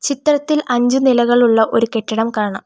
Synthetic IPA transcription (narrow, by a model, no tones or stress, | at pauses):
t͡ɕit̪rɐt̪ːilʔɐɲd͡ʑunilɐɣɐɭuɭːɐʔo̞ɾuke̞ʈːɐɽɐmkaːɳɐm